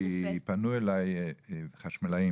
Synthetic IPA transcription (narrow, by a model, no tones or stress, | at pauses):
ipanuelajχaʃmalaji